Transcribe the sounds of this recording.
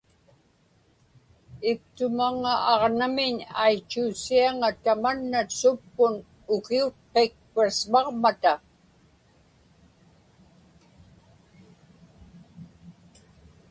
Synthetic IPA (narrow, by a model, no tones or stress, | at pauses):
ɪp̚t̪ʊmaŋaɑʁnamɪɲajt͡ʃːuːsiaŋat̪amanːasʊpːʊn | ʊkiʊt̪̚qek̚pasmɑʁmat̪a